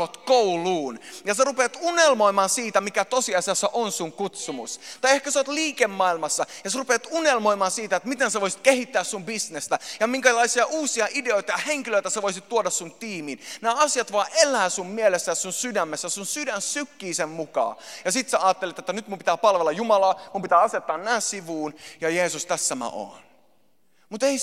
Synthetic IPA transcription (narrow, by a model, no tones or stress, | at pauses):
ot̪kouluːnjɑserupeːt̪unelmoimɑːsiːt̪æmikæt̪osiɑsiɑsːɑʔonsuŋkut̪sumṵst̪ɑiehkæseot̪liːkemːɑilmɑsːɑjɑserupeːt̪unelmoimɑːsiːt̪æet̪mit̪enseʋoisi̥t̪̚kehit̪ːæːssumbisnest̪æjɑmiŋkælɑisiɑʔuːsiɑʔideoit̪ɑjɑheŋkiløit̪æseʋoisit̪t̪uodɑssunt̪iːminnæːɑsijɑt̪ʋoɑːʔelˑæːsummielesːæjɑsunsydæmːesːæsunsydænsykːiːsemmukɑ̰ːjɑsit̪seɑːt̪ːelet̪et̪ːænyt̪mumpit̪æːpɑlʋelːɑjumɑlɑːmumpit̪æːɑset̪ːɑːnnæːssiʋuːnjɑjeːsust̪æsːæmæ̰ʔo̰ːn | mut̪ei